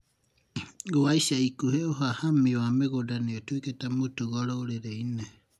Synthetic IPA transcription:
ɡoajsaikuheoɦahamioameɡodaniotuikatamutuɡɔɾowɾeɾejna

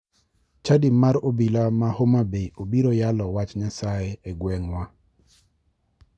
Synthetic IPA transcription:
t͡ʃadimaɾobilamahomabeobiɾojalɔwat͡ʃɲasaeeɡwɛŋwa

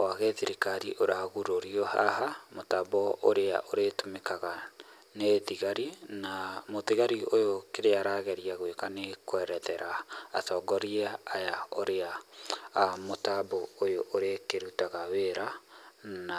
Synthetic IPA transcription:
waɣɛðiɾikaɾiʔoɾaɣuɾoɾiɔha̰ɦamotabɔo̰ɾea̰ʔoɾetomekaɣa | neðiɣaɾinamoðiɣaɾiojokeɾeaɾaɣɛɾiaɣwekanekwɛɾɛðɛɾa̰ːtɔɡɔɾiaːjaoɾea | motabɔojoʔːɾekeɾutaɣaweɾa | na

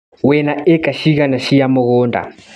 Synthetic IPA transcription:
wɛnaɛkʼaʃiɣanaʃijamɔɣɔːnda̰

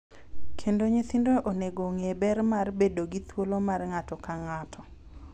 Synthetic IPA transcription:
kʰendoɲet̪indoʔoneɡoŋebɛrmarbedoɡit̪wolomarŋatɔkaŋatʰɔ

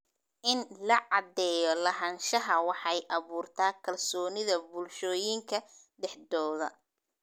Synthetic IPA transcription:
ʔɪnlɐʕɑd̪ɛːjɔlɐɦɐnʃɐɦɐwɑħɑjʔɑβuːrt̪ʰaːkʰɐlsɔːnɪðɐbʊlʃɔːjɪŋkʰɐ | ɖɛħd̪ɔːðɐ

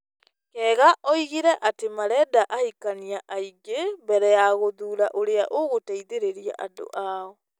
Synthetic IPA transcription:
kɛːɣaʔɔiɣiɾɛʔatemaɾɛdaʔahikaniaʔaiɡembɛɾɛjaɣoðuːɾaʔoɾeaʔoɣotaiðeɾeɾia̰ʔando̰ʔaɔ

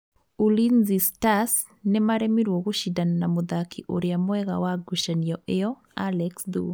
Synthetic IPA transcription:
ulinzistas | nemaɾɛmiɾwɔɣoʃidananamoðakiʔoɾeamwɛɣa̰waɡuʃaniɔʔeɔ | alɛksd̪ṵ

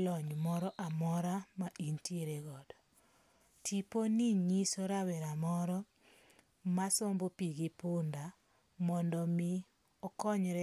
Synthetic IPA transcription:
lɔɲmɔɾɔʔamɔɾamaʔintjeɾeɡɔdɔ | tiponiɲisoɾawɛɾamɔɾɔ | masombopiɡipʊnda | mɔndɔmɪ | ɔkɔɲɾɛ

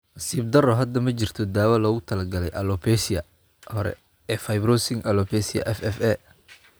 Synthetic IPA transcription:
nɐsiːb̚d̪ɐrɔɦɐd̪ɐmɐt͡ʃɪr̥t̪ʰɔd̪aːwɐlɔːɣʊt̪ʰɐlɐɡɐlɛjʔɐlɔpʰɛsɪjɐ | hɔɾɛ̰ | ɛːfɐjbɾɔsɪŋɐlɔpʰɛːsɪɐ̰ʔɛfɛfɛ

